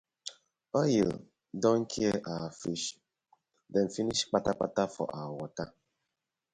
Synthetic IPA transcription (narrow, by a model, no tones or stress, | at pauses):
ɔjḭl | dɔŋ̩kʰieʔafiʃ | dɛn̩finiʃk͡patak͡pa̰tafɔ̰ʔawɔta